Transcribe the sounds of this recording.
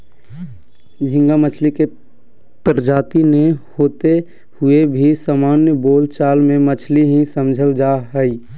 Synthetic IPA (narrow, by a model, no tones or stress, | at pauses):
d͡ʒʱɪ̃ŋɡamət͡ʃʰlike | pɾəd͡ʒaːt̪inehoːt̪e | hʊebʱisaːmaːnjəboːlt͡ʃaːlmẽmət͡ʃʰliɦĩsəmd͡ʒʱəld͡ʒaɦəi